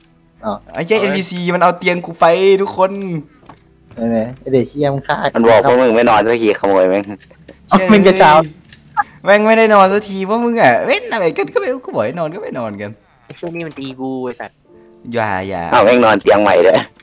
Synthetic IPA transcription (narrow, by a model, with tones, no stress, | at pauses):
ɔ˧˩a˧˩t͡ɕa˧˥˨ʔe˧nbiː˧siː˧ma˧nʔa˧wt̪i˧əŋkuː˧˩fa˧jt̪ʰu˦˥kʰːo˧˨n | a˧˩a˧˩a˧˩deː˨˩kʰi˧ə˧˨ma˧kʰaː˧˩ma˧nbɔː˨˩k̚ɔː˧˥˨mɯ˧ŋma˥˩jnɔː˧nʰ˧a˧kʰiː˧˩xʰa˧˩mɔː˨˧˩jwɛ˧˥˨ŋ˧˨ | ma˧nka˧˩˧saː˧˩ | wɛː˧˨ŋma˥˩jda˥˩jnɔː˧nsaː˧t̪ʰiː˧pʰɔː˧˥mɯ˧ŋʔa˧˩we˧˥˨nʔa˧wa˨˩jka˧nka˧˥˩ma˧˩˧kɔ˧˩bɔː˨˩ha˧˩nɔː˧˨nka˥˩ma˥˩jnɔː˧˩nka˧n˧ | sʰu˥˨ŋniː˧˩˨ma˧˨nt̪iː˧ɡuː˧˩jsa˧˩n | ja̰ː˧˩ja̰ː˧˩ʔa˧˩ŋɛː˥˩ŋnɔː˧nt̪i˧əŋma̰˧˩jdɯ˧˩˦